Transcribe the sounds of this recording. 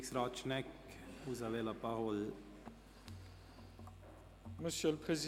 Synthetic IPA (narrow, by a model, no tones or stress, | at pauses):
ksɾaːt͡ʃnɛk | uzalelɐpaɦol | məsjəlpχezi